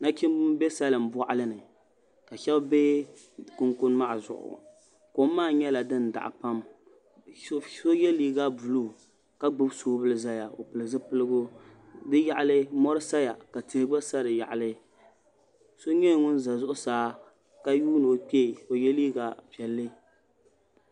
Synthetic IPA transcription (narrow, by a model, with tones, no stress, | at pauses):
na˦kɪ˦m˦be˦sa˦lɨ˨m̩˨ba˦ʔa˦lɨ˦nɨ˨ | ka˨ʃɛ˦bbe˦ | kʊ˦ŋkʊ˦nma˦ʔa˨zʊ̰˨ʔʊ̰˨ | ko˨˦m˦mːaː˦˨ɲɛ˦la˨dɨ˦n˨da̰˨ʔa̰˨pa˦m˦ | so˦jɛ˦liː˦ɡa˦bu˨lu˦˨ | ka˦ɡ͡bɨ˦bsoː˦bɨ˦lɨ˦za˦ja˨o˨pɨ˨lɨ˨zɨ˦pɨ˦lɨ˦ɡʊ˦dɨ˦ja˦˨ʔa˦˨lɨ˦mɔ˦ɾɨ˦sa˦ja˨ka˨ti˨hɪ˦ɡ͡ba˦sa˦ɾɨ˨ja̰˨ʔa˨lɨ˦ | so˦ɲɛ˦˨ŋʊ˦n˦za˨zʊ˦ʔʊ˦saː˨˦ | ka˦juː˦nɨ˨o˨k͡pe˦˨o˨jɛ˦liː˦ɡa˨pɛ˨lːɨ˦